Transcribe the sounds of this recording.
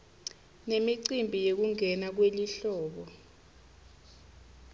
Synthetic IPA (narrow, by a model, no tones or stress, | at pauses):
nemiǀimbʱijek̬uŋʱɛnak̬weliɬɔːɓɔ